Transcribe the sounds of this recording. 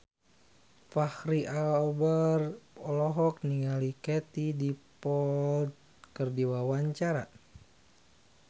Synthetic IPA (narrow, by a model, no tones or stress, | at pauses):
fahɾiʔabərɔlɔɦɔk̚niŋalikɛt̪idipɔld̪̚ | kərdiwawaɲt͡ʃaɾa